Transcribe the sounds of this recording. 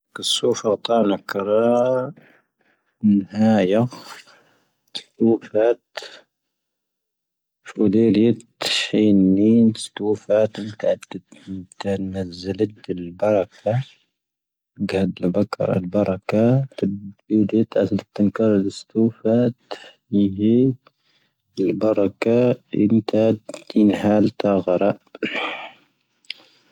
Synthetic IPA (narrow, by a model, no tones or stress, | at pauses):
kɪsːuːfɑɣt̪ˤɑːʕnakɑɾˤɑ | nːhaːja | t̪st̪uːfat̪ | fʔuleːlɪt̪ħiːnːinst̪uːfat̪mt̪aʕd̪t̪anazːalat̪ɪlbɑɾˤɑkʰa | ɡhæd̪əlbɑkɾˤɑ̰lbɑɾˤɑkat̪id̪it̪ʕasd̪ət̪ːənkɑɾˤləst̪ufæt̪fiɦi | əlbɑɾˤɑkaə̰nt̪aənhalt̪ɑɣɾˤɑʔ